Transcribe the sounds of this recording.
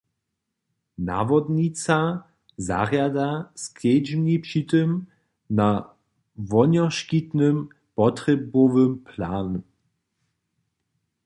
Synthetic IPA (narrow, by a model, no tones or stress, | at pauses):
na̰ːvɔd̪ɲit͡sa | za̰ʁjadaskʰɛd͡ʒmnipʂit̪əm | na | vɔɲɔʃkit̪nəm | pɔtʁɛbɔvəmpʰlaːn